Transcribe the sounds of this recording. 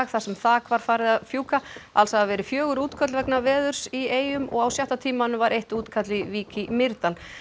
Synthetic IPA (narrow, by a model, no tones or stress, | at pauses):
ɣθasɛmθaːkvaɾ̥faːɾɪðaðfjuːkaalsavɛːɾɪfjœːɣʏɾuːt̪kʰœt̪lvɛknavɛːðʏɾ̥sieːjʏmɔ̰ɣawsjaht̪at̪ʰiːmanʏmvaɾʔejht̪uːt̪kʰat̪lɪviːcɪmɪɾt̪al